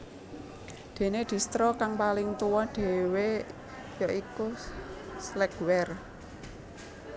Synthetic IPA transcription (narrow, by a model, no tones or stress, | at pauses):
d̪̥e̤ned̪̥i̤st̪ɾɔkaŋpalɪŋt̪uwɔɖ̥e̤we | jɔʔiku | slɛɡwɛr